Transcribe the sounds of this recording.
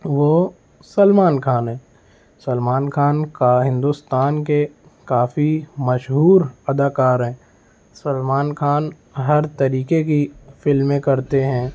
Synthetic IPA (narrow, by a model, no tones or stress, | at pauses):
ʋoː | sɐlmaːnkʰaːnɦɛ̃ː | sɐlmaːnxʰaːnkaɦɪ̃nd̪ust̪aːnke | kaːfimɐʃɦuːɾɐd̪aːkaːɾɦɛ̃ː | sɐlmaːnkʰaːn | ɦɐɾt̪ɐɾiːkekifɪlmẽkɐɾt̪eɦɛ̃ː